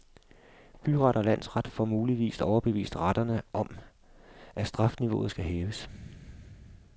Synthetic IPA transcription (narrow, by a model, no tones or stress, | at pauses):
b̥yʁɑ̈ɾ̥ɒ̽læn̰sʁɑd̥fɒmuːliʋḭːsɒʊɐb̥e̝ʋḭːsd̥ʁɑd̥ɐnəʔɒ̽m | ʔæsd̥ʁɑ̈fniʋo̝̰ːð̩ˠsɡ̥æɦeːʊəs